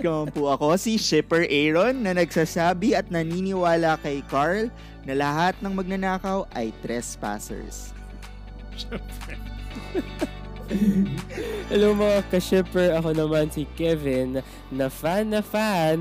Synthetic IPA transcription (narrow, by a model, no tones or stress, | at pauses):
kɐompʊʔɐko̞siʃɪpɛɹʔɛjɹonːɐnɐɡsasaːbɪɐt̪̚nɐniːnɪwaːlɐkɐjkaɹl | nɐlɐɦat̪̚nɐŋmɐɡ̚nɐnaːkɐwʔɐ̰jt̪ɾɛspa̰ːsɛ̰ɹs | ʃɛpɛ | ʔɐloŋmɐŋakɐʃɛpɛɹɐkonɐmansikɛvɪnː | ɐfanːɐfan